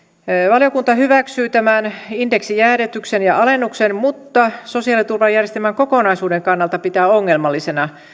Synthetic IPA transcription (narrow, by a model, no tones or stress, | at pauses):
ʋɑljokunt̪ɑhyʋæksyːt̪æmænindeksijæːɾet̪yksenjɑɑlenːuksenmut̪ːɑsosiɑlit̪urʋɑjærjest̪elmæŋkokonɑisuːdeŋkɑnːɑlt̪ɑpit̪æːoŋːelmɑlːisenɑ